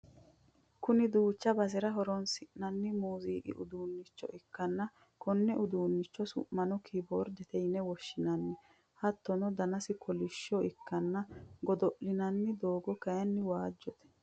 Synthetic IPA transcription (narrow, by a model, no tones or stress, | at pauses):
kʊnɪd̪uːt͡ʃːɐbɐsɪɾɐɦɔɾɔnsɪʔnɐnːɪmuːziːkɪ̰ʔʊd̪uːnːɪt͡ʃːɔ̰ʔɪkːɐnːɐ | kʰɔnːɛʔʊd̪uːnːɪt͡ʃːɔsʊ̰ʔmːɐnɔkʰiboːɾd̪ɛt̪ɛjnɛwɔʃːɪnɐnːɪ | hɐt̪ːɔnɔd̪ɐnɐsɪkʰɔlɪʃːɔɪkːɐnːɐɡɔd̪ɔʔɪnɐnːɪd̪oːɡɔkɐjɐnːɪwaːd͡ʒːɔt̪ɛ̥